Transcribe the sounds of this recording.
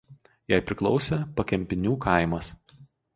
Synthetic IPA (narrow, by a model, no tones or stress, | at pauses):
jæɪpʲɾʲɪklˠɔʊsʲepɐkʲɛmʲpʲɪnʲuːkʰɑˑɪmɐs